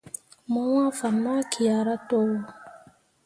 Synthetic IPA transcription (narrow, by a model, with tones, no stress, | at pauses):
mɔ˦wã˦fa˨na˦kʰi˨a˨ɾa˦tɔ˦wo˦